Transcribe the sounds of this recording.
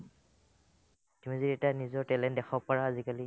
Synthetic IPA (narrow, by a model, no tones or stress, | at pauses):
dimiziɹɛtanizɔɹtɛlɛntdɛxʰɔpɔɹaːzikali